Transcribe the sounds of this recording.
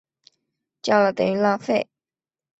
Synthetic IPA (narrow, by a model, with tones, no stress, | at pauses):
t͡ɕjɑ˥˩lə˨t̪ə̰˨˩ŋy˥la˥˧fe˥˩ɪ